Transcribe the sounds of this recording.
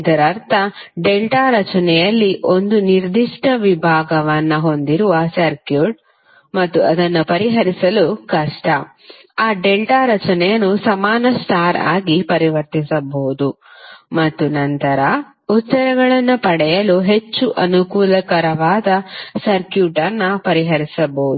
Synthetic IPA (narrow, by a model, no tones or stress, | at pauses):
id̪ɐɾɐɾt̪ʰɐɖelʈaːɾɐt͡ʃɐnɛjɐlːiʔo̞nd̪uniɾd̪iʂʈɐʋibʱaːɡɐʋɐnːɐɦo̞nd̪iɾuʋɐsɐɾkjuːʈ̚ | mɐt̪ːuɐd̪ɐnːɐpɐɾiɦɐɾisɐlukɐʂʈɐ | aːɖelʈaːɾɐt͡ʃɐnɛjɐnːusɐmaːnɐsʈaːɾa̰ːɡipɐɾiʋɐɾt̪isɐboːud̪u | mɐt̪ːunɐnt̪ɐɾɐ | ut̪ːɐɾɐɡɐɭɐnːɐpɐɽɛjɐluɦe̞t͡ʃːuʔɐnukuːlɐkɐɾɐʋaːd̪ɐsɐɾkjuːʈɐnːɐpɐɾiɦɐɾisɐboːud̪u